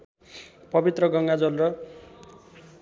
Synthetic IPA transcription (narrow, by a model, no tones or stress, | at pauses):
pʌbit̪rʌɡʌŋɡad͡zʌlrʌ